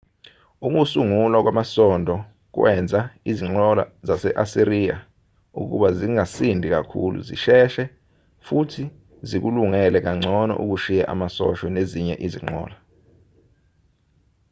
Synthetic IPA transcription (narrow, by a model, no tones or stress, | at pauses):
uk̬usuŋulwak̬wamasɔndʱɔ | k̬wʔɛnd͡zʱaiziŋ͡ǃɔla̰zasɛʔasiɾiːja̰ | ṵk̬ṵɓaziŋasindʱik̬akʰṵlṵzḭʃɛʃɛ | futʰi | zik̬uluŋɛlɛk̬aŋ͡ǀʱɔnɔ̰ʔṵk̬uʃijɛʔa̰masɔ̰ʃɔneziɲɛʔiziŋ͡ǃɔ̰ːla